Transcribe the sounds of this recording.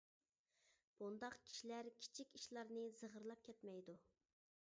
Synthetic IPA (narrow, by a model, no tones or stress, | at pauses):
b̥und̪ɑqkʲʰi̥ʃilæɾkʲʰi̥t͡ʃʰikʲiʃlˠɑɾnɨzəʁəɾlˠɑp̚kʲʰɛt̪mɛjd̪u